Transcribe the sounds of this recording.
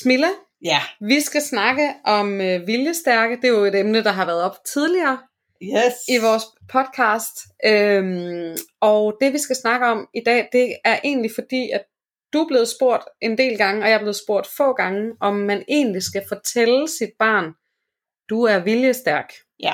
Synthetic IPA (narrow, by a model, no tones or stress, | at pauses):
smilæ | ʋisɡ̥æsnɑ̈ɡ̥əʔɒ̽møʋiljəsd̥æɐɡ̥əd̥e̝joe̝d̥emnəd̥ɑ̈ɦɑ̈ʋæɐð̩ˠɒ̽b̥t͡sʰið̞ˠliɐː | iʋɒːspʰɒ̽d̥̚kʰɑ̈ːsd̥øm | ɒ̽ʊd̥e̝ʋisɡ̥æsnɑ̈ɡ̥əɒ̽mid̥ɛ̰ːd̥e̝æɐʔe̝̰ːnlifɒ̽d̥ḭːæ̥ | d̥uæb̥le̝ːð̞̩ˠsb̥o̝ɐ̰d̥ʔe̝nd̥e̝̰ːlɡ̥ɑ̈ŋəɒ̽jɑ̈ɐble̝ːð̞̩ˠsb̥o̝ɐ̰d̥fɔ̰̽ːɡ̥ɑ̈ŋəʔɒ̽mːæne̝̰ːnlisɡ̥æfɒ̽t͡sʰelsid̥̚b̥ɑ̰̈ːn | d̥uæɐʋiljəsd̥æɐɡ̥